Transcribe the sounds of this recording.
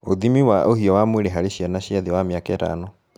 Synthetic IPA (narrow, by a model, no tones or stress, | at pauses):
oðimiwaʔohiɔwamweɾeɦaɾeɕjanaɕjaðewamjakɛːta̰no